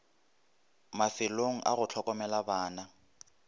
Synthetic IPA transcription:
mafɪloŋ̩ʔa̰ɣʊt͡ɬʰɔkʼɔmɛlabaːna

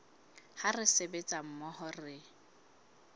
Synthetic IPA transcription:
harɪsebet͡sʼam̩mɔhɔrɪ

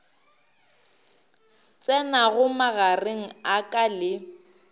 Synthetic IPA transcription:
t͡sʼɛnaɣʊmaɣareŋ̩akʼalɪ

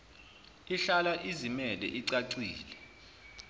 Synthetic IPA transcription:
iɬalaʔizimɛlɛ̰ʔiǀaǀiːlɛ

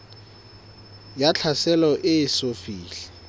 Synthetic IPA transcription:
jat͡ɬʰasɛlɔʔɪɪsofiːɬɛ̥

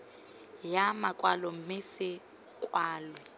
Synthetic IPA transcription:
jamakʼwalɔmɪsɪ | kʼwaːlwɛ

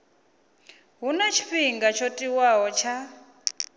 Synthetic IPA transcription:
ɦunat͡ʃʰi̥ɸiŋɡat͡ʃʰotʼiwaɦɔt͡ʃʰa

